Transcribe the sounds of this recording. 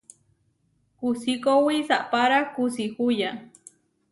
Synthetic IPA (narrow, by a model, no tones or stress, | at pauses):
kusikowisaʔpaɾakusihuja